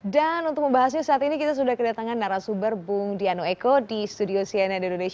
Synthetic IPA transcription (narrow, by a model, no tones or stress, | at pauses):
danunt̪ʊk̚məmbaɦasɲasəat̪inikit̪as̬udahkədat̪aŋanːaɾasubərbʊŋdianoekodist̪udiosianadononeʃ